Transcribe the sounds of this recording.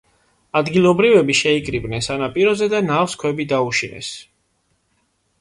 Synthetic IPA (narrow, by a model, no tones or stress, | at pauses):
ad̪ɡilˠɔbɾivɛbiʃɛikʼɾibnɛnsanapʼiɾɔzɛd̪anafskʰwɛbid̪auʃinɛ̰s